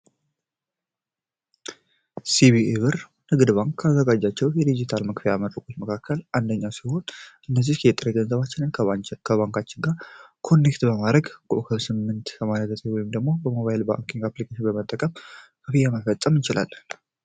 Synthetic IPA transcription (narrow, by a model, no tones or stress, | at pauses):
siβieβɨɾ | nɨɡd̪ɨbaŋkʰːazːəɡad͡ʒːat͡ʃːɛwjɛd̪id͡ʒit̪ʰalməkfijaməɾəkʼo̞t͡ʃ̪məkʰakʰːəlʔand̪əɲːasiho̞nʔɨnːəzihkʰɛt̪ʼɨɾeɡənzəβat͡ʃːɪnɨnkʰəβaŋkʰat͡ʃːɪnɡakʰo̞nːekt̪bəmad̪ɾəɡkʼo̰ʔkʰəmsɨmːɨnt̪kʰəmaɾəzət̪ʰʼewɔjɪmd̪əɡmo̞bəmo̞βajɪlba̰ŋkiŋɡaplikʰaʃɪnbəmət̪ʼːəkʼəmkʰəfijɛməfət̪ʼːəmt͡ʃɪla̰l